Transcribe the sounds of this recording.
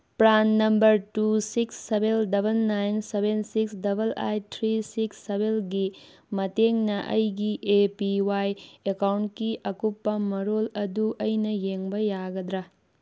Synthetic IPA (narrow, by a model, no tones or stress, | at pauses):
pɾanːɐmbɐɾtusiksːebeldɐbɐnːajnsebensiksdɐbʱɐla̰jtʰɾisiksːebelɡi | mɐteŋnɐʔɐ̰jɡiʔepiwajekawntkiʔɐkupːɐmɐɾolɐduʔɐjnɐjeŋbɐjaɡɐd̪ɾɐ